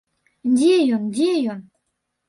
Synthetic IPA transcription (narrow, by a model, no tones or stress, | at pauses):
dʲejondʲejon